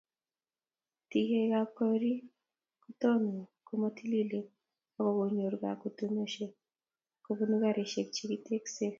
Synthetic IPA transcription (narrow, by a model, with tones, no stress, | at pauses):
ti˨he˨ɡa˨kɔɾi˦ | ku˦t̪ɔ˦no˨ko˦mo˦ti˦li˦le˨ | ɔ˦kɔ˨ɡo˨ɲo˨ɾɡa̰˨ku˨tu˦mo˦ʃe˨ | kobu˦nu˦ɡa˦ɾe˨ʃe˨kt͡ʃi˦ki˦te˦kse˦